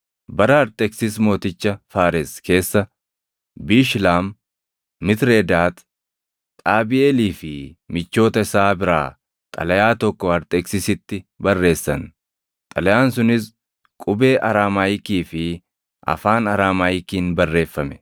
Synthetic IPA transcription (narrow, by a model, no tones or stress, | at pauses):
bɐɾɐɐɾt̪ʼɛksɪsmo̞ːt̪ɪt͡ʃːɐfaːɾɪske̞ːsːɐ | biːʃlaːmː | ɪt̪ɾeːd̪aːt̪ʼ | aːbɪeːliːfɪmɪt͡ʃːo̞ːt̪ɐɪsaːbɪɾa̰ː | t̪ʼɐ̰lɐjaːt̪ɔkːɔɐɾt̪ʼɛksɪsɪt̪ːɪbɐrːe̞ːsːɐ̰n | t̪ʼɐlɐjaːnsʊnɪs | kʼʊbe̞ːʔɐɾaːmaːjɪkiːfɪ | ʔɐ̰faːnɐɾaːmaːjɪkiːnbɐrːe̞ːfːɐmɛ̥